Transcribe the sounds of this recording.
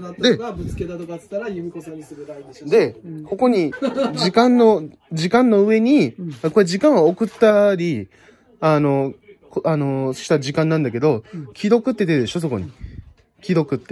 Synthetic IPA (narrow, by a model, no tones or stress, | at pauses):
d̪e̞abɯt͡sɨ̥ked̪at̪okaɨ̥t̪aɾajɯmʲikosasad̪e̞ko̞ko̞ɲ̟id͡ʑikãnːo̞ | d͡ʑikãnːo̞ɯ̟e̞ɲ̟iako̞ɾeʑikãɰ̃ookɯ̟t̪ːaɾʲi | ano̞koano̞ɕi̥t̪aʑikãnːãnd̪ak̬e̞d̪o̞kʲiɾo̞kɯ̟t̪ːe̞t̪ed̪e̞ɕo̞s̬o̞ko̞̰ɲ̟i | kʲiɾo̞kɯ̟t̪ːe